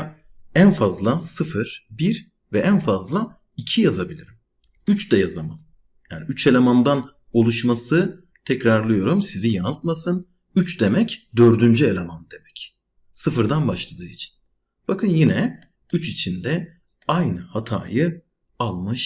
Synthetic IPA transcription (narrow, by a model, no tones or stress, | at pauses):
ænfazlˠasɯfɯɾ̥biɾ | vɛʔænfazlˠa | icʰijazabilʲiɾim | yt͡ʃd̪ɛjazama̰n | jaːniyt͡ʃʰe̞lʲemand̪an | o̞lˠuʃmasɯ | t̪ʰɛcɾaɾlˠɯjo̞ɾumsizijanalˠt̪̚masɯn | yt͡ʃd̪e̞mɛcd̪ø̞ɾd̪ynd͡ʒye̞lʲe̞mand̪e̞mɛc | sɯfɯɾd̪anbaʃlˠad̪ɯːit͡ʃʰi̥n | b̥akʰɯnjinɛ | yt͡ʃit͡ʃʰind̪ɛ | ajnɯhat̪ʰa̰ːjɯ | alˠmɯʃ